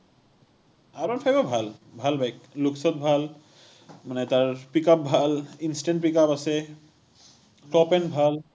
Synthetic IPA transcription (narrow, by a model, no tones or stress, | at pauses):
aɾɔnfʰajbabʱalbʱalbʱajkluksɔt̪̚bʱal | manet̪aɹpikap̚bʱalinsʈeɳʈ̚pikapase | ʈɔpenbʱal